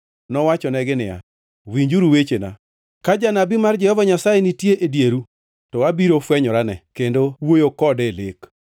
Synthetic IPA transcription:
nɔwat͡ʃɔnɛɡɪnɪ̰ja̰ | wiɲd͡ʒuɾuwet͡ʃena̰ | kad͡ʒanabimard͡ʒɛhɔvaɲasajenitjeʔedjeɾu | tɔwabiɾofwɛɲɔɾanɛ̰kendowojokɔdɛlek

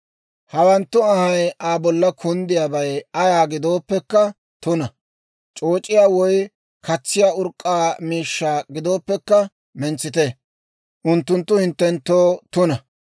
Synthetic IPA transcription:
hɐwɐnt̪ːʊɐhɐjʔaːbɔlːɐkʰʊnd̪ɪjaːbɐjɐjaːɡɪd̪o̞ːpːɛkːɐ | t̪ʊnɐ | t͡ʃʼoːt͡ʃʼːɪjaːwɔj | kɐt͡sːɪjaːʊɾkʼːaːmiːʃːaːɡɪd̪o̞ːpːɛkːɐ | mɛnt͡sːɪt̪e | ʔʊnt̪ːʊnt̪ːʊhɪnt̪ːɛnt̪ːoːt̪ʊnɐ

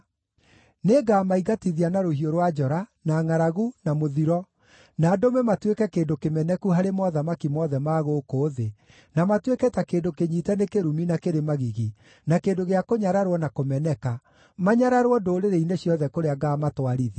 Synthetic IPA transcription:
neɡaːmaiɣatiðianaɾohioɾwad͡ʒɔɾanaŋaɾaɣunamoðiɾɔ | naːdomɛmatwekɛkeːndokemɛnɛkuɦaɾemɔðamakimɔðɛmaːɣokoːðe | namatwekɛtakeːndokeɲiːtɛnekeɾuminakeɾemaɣiɣi | nakeːndoɣeakoɲaɾaɾwɔnakomɛnɛka | maɲaɾaɾwɔdoːɾeɾeineɕjɔðɛkoɾeaɡaːmatwaɾiði

